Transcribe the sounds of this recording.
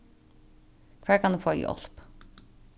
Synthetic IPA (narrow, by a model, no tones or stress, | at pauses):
kʰvɛːɹkʰanufoːaj̰ɔ̰l̥p